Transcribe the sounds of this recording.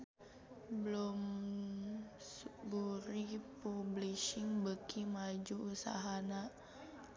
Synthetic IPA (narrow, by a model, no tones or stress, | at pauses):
blom | sbuɾipubliʃiŋbəkʰimad͡ʒuusa̰ɦana